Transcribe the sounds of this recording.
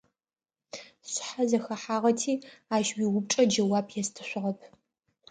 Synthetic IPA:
ɕħazɐxɐħaːʁɐtʰiːaːʃwiwʊp̚t͡ʃʼɐd͡ʒɐwaːpʰjɛstʰɨɕʷʊʁɐpʰ

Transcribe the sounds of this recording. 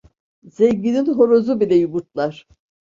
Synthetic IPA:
zeɲɡininɦo̞ɾozubilʲɛjubuɾt̪lˠaɾ̥

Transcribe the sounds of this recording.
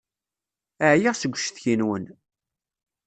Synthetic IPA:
əʕjiʁsəɡʷːʃθçinwən

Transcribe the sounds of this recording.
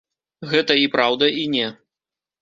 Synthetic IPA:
ɣɛt̪ɐipɾawd̪ɐinʲɛ

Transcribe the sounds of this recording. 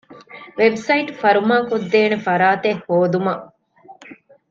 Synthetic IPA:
ʋebsɐiʈfɐɾumaːkod̪ːeːnefɐɾaːt̪ehːoːd̪umɐ

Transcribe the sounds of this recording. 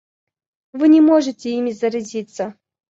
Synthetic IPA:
vɨnʲɪmoʐɨtʲɪimʲɪzəɾɐzʲit̪sə

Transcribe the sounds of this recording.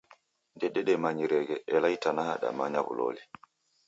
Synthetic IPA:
ndɛɗɛɗɛmaɲiɾɛɡɛʔɛlajtanahaɗa̰maɲaβṵlo̰ːli

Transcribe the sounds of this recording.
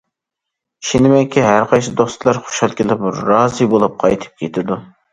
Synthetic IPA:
ʃinɪmɛŋkʲʰiɦæɾqɑjsɨd̪ost̪lˠɑɾχo̥ʃɑlˠkʲilɪpɾɑːzɨbolˠup̚qʰɑjt̪ʰɨ̥p̚kʲʰet̪ʰɪd̪u

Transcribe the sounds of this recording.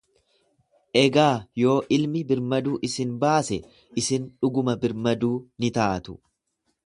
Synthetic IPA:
ʔɛɡaːjo̞ːʔɪlmɪbɪɾmɐd̪uːʔɪsɪnbaːsɛ | ʔɪsɪnᶑʊɡʊmɐbɪɾmɐd̪uːnɪt̪aːt̪ʊ̥

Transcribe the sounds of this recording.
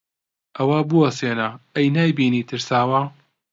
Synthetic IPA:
ʔɐwabuwɐseːnaɐjnaːjbiːniːt̪ʰɨɾsaːwa

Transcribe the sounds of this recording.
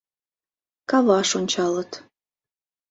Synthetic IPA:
kɑβɑʃonʲt͡ɕɑlət̪

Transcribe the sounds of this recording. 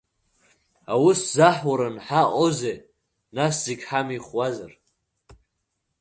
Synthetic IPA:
awʊszaħwaɾanħaʔʼoze | naszeɡʲħamiχwazar

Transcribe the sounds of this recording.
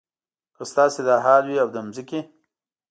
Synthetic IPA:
kəst̪ɑːsed̪ɑɦɑːlwiawd̪əmzike

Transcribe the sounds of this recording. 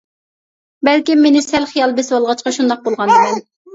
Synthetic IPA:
bɛlkʲimːenɪsɛlχijɑlˠbɛswɑlˠʁɑt͡ʃqɑʃund̪ɑq̚bolˠʁɑnd̪ɨmɛn

